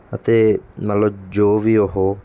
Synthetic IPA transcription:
ət̪eːmət̪ləbd͡ʒoːʋiːoɦoː

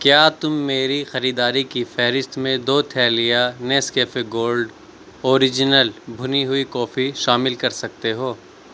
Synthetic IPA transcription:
kjaːt̪ʊmːeːɾixɐɾiːd̪aːɾikifɛːɦɾɪst̪mẽd̪oːt̪ʰɛːlijanɛːskeːfeɡoːlɖ | oːɾɪd͡ʒɪnəlbʱʊniɦʊikɔːfiʃaːmɪlkɐɾsɐk̚t̪eɦoː

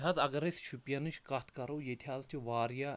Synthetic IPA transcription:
ɦaːzɐɡɐɾesʃʰupjanɨt͡ʃʰkɐt̪ʰkɐɾoːjet̪ʰʲaːzt͡ʃiʋaːɾjaː

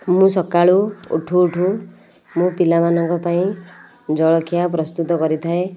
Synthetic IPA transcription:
mũsɔkaɭuṵʈʰuːʈʰu | mũpilamanɔŋkɔpaĩ | d͡ʒɔɭɔkʰijap̬ɾɔst̪ut̪ɔkɔɾit̪ʰae

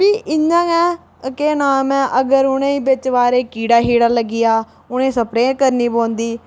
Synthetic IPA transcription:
piːʔɪɲãːɛː | keːnaːmɛ̃ːʔəɡəɾʊñẽːiːbɪt͡ʃʋaːɾeːkiːɽaːɦiːɽaːləɡɪjaː | ʊɽ̃ẽːsəpɾẽːkəɾniːbõːnd̪iː

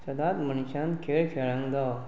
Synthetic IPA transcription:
səd̪at̪məniɕãnkʰeɭkʰeɭãŋɡd̪aw

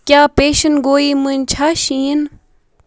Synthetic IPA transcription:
kjaːpeːʃɐnɡoːiːmunt͡ɕʰaːʃĩːn

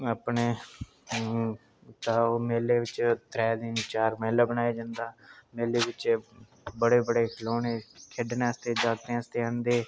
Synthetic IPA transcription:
əpneː | t̪aːoːmeːleːʋɪt͡ʃt̪ɾɛːd̪ɪnt͡ʃaːɾmeːlaːbənaːeːd͡ʒãːnd̪aːmeːleːʋɪt͡ʃ | bəɽeːbəɽeːkʰloːneːkʰeɖnãːəst̪eːd͡ʒaːkt̪eãːəst̪eːãːnd̪eː

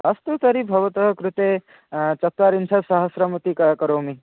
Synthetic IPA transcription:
ɐst̪ut̪ɐɾibʱɐʋɐt̪ɐɦɐkɾut̪e | t͡ʃɐt̪ːaɾinsʰɐsɐɦɐsɾɐmɐt̪ikɐkɐɾoːmi

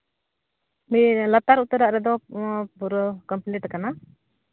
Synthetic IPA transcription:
milat̪aɾut̪aɾaʔɾɛd̪ɔbuɾɔkɔmpliʈkana

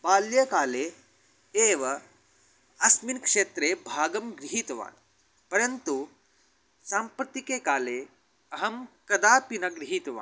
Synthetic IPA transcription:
baːljɐkaːleː | eːʋɐ | ɐsminkʂeːt̪ɾeːbʱaːɡɐmɡɾiɦit̪ɐʋa̰ːn | pɐɾɐnt̪u | saːmpɾɐt̪ikeːkaːleː | ɐɦɐmkɐd̪aːpinɐɡɾiɦit̪ɐʋa̰ːn

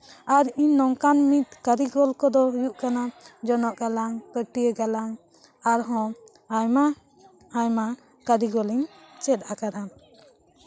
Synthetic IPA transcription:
aɾiɲːɔŋkanmit̪̚kaɾiɡɔlkɔd̪ɔujuʔkanad͡ʒɔnɔʔɡalaŋpəʈijəɡalaŋ | aɾɦɔ̃ | jma | ajma | kaɾiɡɔliɲt͡ʃɛt̪̚ˀakaɾa

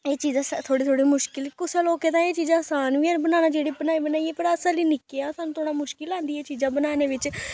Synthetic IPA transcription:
eːt͡ʃiːzãːst̪ʰoːɽiːt̪ʰoːɽiːmʊʃkɪlkʊseːloːkeːt̪ãːeːt͡ʃiːzãːəsaːnʋĩəbənaːnaːd͡ʒeːɽiːbənaːiːbənaːiːɛːpəɾəsãliːnɪkeaːsaːnũt̪ʰoːɽaːmʊʃkɪlãːnd̪iːeːt͡ʃiːzãːbənaːneːʋɪt͡ʃ

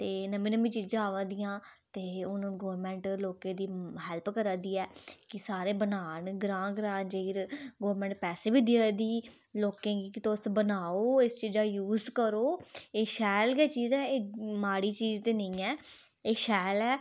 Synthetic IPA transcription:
t̪eːnəmĩːnəmĩːt͡ʃiːd͡ʒaːʋãːd̪ɪjãːt̪eːʊnːɡɔːɾmɛ̃ːɳʈloːkẽːd̪iːɦɛːlpkəɾãːd̪iːɛːkɪsaːɾeːbənaːɳɡɾãːɡɾãːnd͡ʒeiɾɡɔːɾmɛ̃ːɳʈ̚pɛːseːbiːd̪ɪad̪iː | loːkẽːɡikɪt̪osbənaːoːɪst͡ʃiːd͡ʒaːjuːzkəɾoːeːʃɛːlkɛːt͡ʃiːzɛːeːmaːɽiːt͡ʃiːzt̪eːnəĩːɛː | eːʃɛːlɛː

